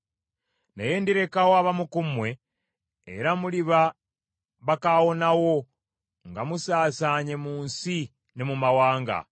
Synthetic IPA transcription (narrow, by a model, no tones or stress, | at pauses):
neje̞ːndiɾe̞kawoaβamukumwe̞̰ː | ɾamuliβa | βakawo̞nawo̞ | ŋɡamusaːsaɲe̞muːnsi | ne̞mumawaːŋɡa̰